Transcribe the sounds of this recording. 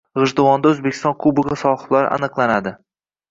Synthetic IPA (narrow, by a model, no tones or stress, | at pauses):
ʁɨʒd̪ɪwɒnd̪aɵzbekʰʲɪ̥st̪ɒnkʰʊbɨʁasɒχlˠaɾ̰a̰nɨqlˠanad̪ɪ